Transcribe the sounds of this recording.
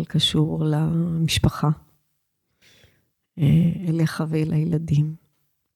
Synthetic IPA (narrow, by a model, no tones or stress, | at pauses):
lkaʃuʁlamiʃpaχa | eeleχavejlʔajelad̪im